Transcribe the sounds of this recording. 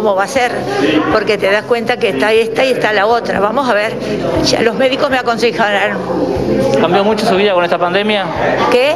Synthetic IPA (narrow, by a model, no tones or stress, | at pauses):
omoβaseɾpo̞ɾket̪eðaskwe̞nt̪akeːst̪aest̪aiest̪alaot̪ɾa̰βamo̞saβeɾʒa̰lo̞zmeðikozmeako̞nsexaβal | kambjomut͡ʃosuβiðako̞nest̪apand̪emja | ke